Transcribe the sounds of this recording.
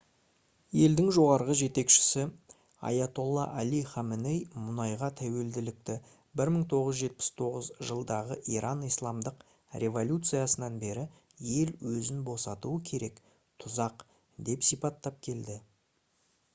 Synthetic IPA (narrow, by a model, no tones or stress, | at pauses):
je̞ld̪ɪŋʒo̞ʁɑɾʁəʒe̞t̪e̞kʃɪ̥sɪ | ɑ̰jat̪o̞lˠːɑ̰ʔæliχɑmɪnejmʊnɑjʁɑt̪ʰæwe̞ld̪ɪlɪk̚t̪ɪ | bɪɾməɴt̪ʰo̞ʁəzʒe̞t̪̚pɪ̥st̪ʰo̞ʁəzʒəlˠd̪ɑʁəʔiɾʔɑnijslˠɑmd̪əq | rʲʔe̞vo̞lʲut̪sɨjasənɑnbe̞ɾɪ | je̞lwɵzɪnbo̞sɑt̪uəkʲʰe̞ɾe̞k | t̪ʰʊzɑq | d̪e̞psijpɑt̪ːɑp̚kʲʰe̞ld̪ɪ